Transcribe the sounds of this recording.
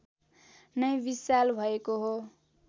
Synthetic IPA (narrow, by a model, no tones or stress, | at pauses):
nʌjbisalbʱʌekoɦo